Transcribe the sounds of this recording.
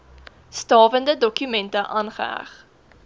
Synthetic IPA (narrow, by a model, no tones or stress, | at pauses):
stɑːvəndədɔkymɛntəʔɑːnχə̰æ̰χ